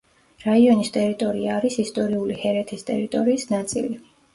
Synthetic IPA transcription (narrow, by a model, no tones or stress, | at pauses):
ɾaiɔnist̪ʼɛɾit̪ʼɔɾiaːɾisist̪ʼɔɾiulihɛɾɛt̪ʰist̪ʼɛɾit̪ʼɔɾiːsnat̪sʼḭli